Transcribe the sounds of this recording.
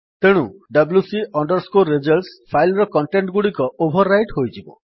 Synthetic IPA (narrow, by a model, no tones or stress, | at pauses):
t̪eɽ̃uɖʌblusiʔɔɳɖɔɾskoɾed͡ʒɔlspʰajlɾɔkɔɳʈeɳʈɡuɽikɔʔobʱɔɾːajʈɦojtʰibɔ̰